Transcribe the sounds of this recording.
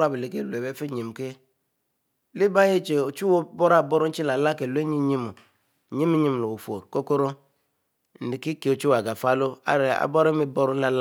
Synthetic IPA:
a˦˨bi˨li˨ke˦˨lu˨e˨be˦fi˦ɲi˨m˨ke˦ | li˦ba˦je˦t͡ʃe˨o˨t͡ʃu˦wo˦bɔ˦ɾa˦˨bɔ˦ɾu˦n̩˦t͡ʃi˦la˨la˦ke˨lʷe˦ɲi˦ɲi˦mu˨ | ɲi˦mi˦ɲi˦m˨lo˨wo˨fo˨ɾko˦ko˦ɾo˦ | n̩˨di˨ki˦ke˨o˨t͡ʃu˦wa˨ɡa˨fa˦lo˦a̰˦ɾe˨a̰˨bɔ˦ɾi˦mi˦bɔ˦ɾu˦n̩˦la˦l

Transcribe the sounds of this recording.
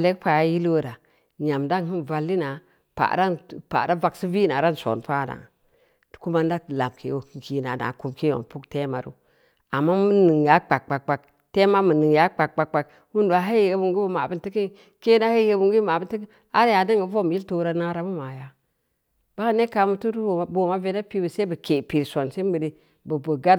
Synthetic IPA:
a˨le˦kpa˨ja˦ji˦lo˦ɾa˨ | ɲa˨mda˦n˨hi˦n˨va˨lːi˦na˨ | pa̰˨ɾa˦npa̰˨ɾa˦va˨ksi˦vi˦na˨ɾa˦n˨so̰˨n˨pa˦˨na̰˨ | ti̥˨ku˦ma˦n˦da˦kla˨mkʰḛ˨wo˨hi˦ŋki˨na˨na̰˨ku˦mki˦o̰˨pu˦kte˦ma˨ɾṵ˦ | a˨mːa˦mu˦ni˨ŋ˨ja˨˦k͡pa˨k̚k͡pa˨k̚k͡pa˨k̚ | te˦ma˦mu˨ni˨ŋja˦k͡pa˨k̚k͡pa˨kk͡pa˨k | wu˦ndu˨a˨ɦa˦jbu˨ŋɡi˦bu˦ma˨bi˦nti˦ki˦ | ke˦na˦ha˦e˦bu˨ŋɡi˦ma˨i˦nti˦ki˦ | a˦ɾja˨di˦ŋɡi˨˦vo˦m˨i˦lto˦ɾa˦na˦ɾa˦mu˦ma˨ja˨ | b̥a˦ne˦ka˨mu˦tu˦du˦˨bo˨ma˦ve˦na˦pi˦bu˨se˦bə˨ke˨pi˨ɾso˨nse˦mə˨di˦ | bə˨bu˨ɡa˦

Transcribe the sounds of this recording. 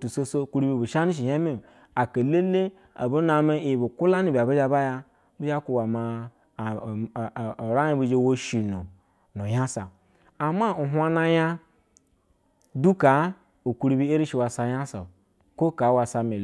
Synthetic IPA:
tu˨so˦so˦˨ku˦ɾu˦bi˦bu˨ʃa˦ni˦ʃ̬i˨ja˦mi˦˨ | a˨ka˨le˦le˦ | a̰˨bu˦na˨me˦i˨bu˨ku˦la˦ni˨bʲa˨bi˦d͡ʒa˦ba˦ja˦ | bi˦d͡ʒa˦ku˨wa˨ma˨ | ɾa˦ji˦bi˦d͡ʒe˦wo˦ʃi˨nu˨ | nu˨ja˦sa̰˨ | a˨ma˦u˨ɦʷa˦na˦ja˦ | du˦ka˨˦ | u˨ku˦ɾi˦bi˦e˦ɾi˦ʃi˨wa˨sa˨ja˦sa̰˨ | ko˦ka˨˦wa˨sa˨me˨l

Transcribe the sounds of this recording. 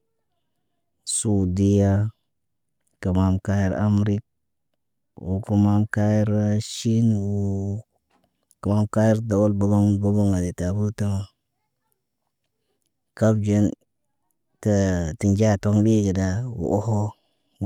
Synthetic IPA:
su˨di˦ja˦ | ə˨ma˨mka˦ji˦ɾa̰˦mɾi˦k̚ | wu˨ku˦ma˦mka˦ji˦ɾʃi˦nwu˨ | kə˨ma˨˦mka˦ji˦ɾda˨wo˦lba˨˦ba˦ŋbo˦bo˦ŋa˨de˨ta˨bu˦tə˦ma˨ | ka˦bd͡ʒe˦n | tə˨ti˨nd͡ʒa˦˨to˦ŋbi˦ɡi˨da˨wṵ˨ʔo˦ho˦

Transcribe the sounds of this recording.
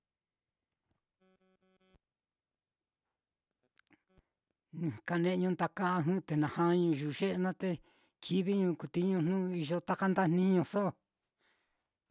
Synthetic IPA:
nĩ˨ka˧˨nẽ˧ɲũ˧˦nt̪a˧ka˦˧ɦũ˦˧t̪e˨nã˨hã˦˧ɲũ˧ʒu˨ʒe˦ʔe˧nã˦t̪e˧ | kʰi˦βi˦ɲũː˧ku˨t̪i˦ɲũ˧n̥nũ˦˧i˧ʒo˧t̪a˦ka˦nd̪a˦n̥nĩ˦ɲũ˧so˦˨

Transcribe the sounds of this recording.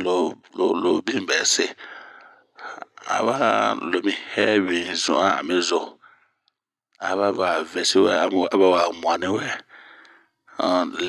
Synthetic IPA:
lo˨lo˨lo˨bĩ˦bɛ˨se˦ | a̰˨βa˦lo˨mĩ˦hɛ˦wĩ˨zṵ̃˨a˦a̰˨mẽ˦zo˨ | a˨βa˦ba˨vɛ˨si˦wɛ̰˦a˨˦ba˦˨wa˨mũ˨ã˨nĩ˦wɛ˦˨ | l

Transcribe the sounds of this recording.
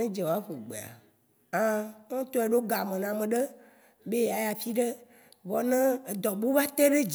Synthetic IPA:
ẽ˦d͡ʒe˨wo˨a˦ɸo˨ɡ͡bḛ˨a̰˨ | ã˦ŋo˦t̪o˦e˨ɖo˦ɡa˨mẽ˨nã˨mẽ˨ɖe˦ | be˦a˨ja˨fi˦ɖe˦ | vɔ˨nẽ˦e˨d̪ɔ˨bu˦va˦t̪e˦ɖe˦d͡ʒ

